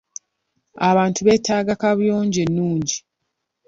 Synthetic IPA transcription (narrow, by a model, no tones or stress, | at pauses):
aβaːntuβe̞ːtaːɡakaβjoːɲɟenːuːɲɟi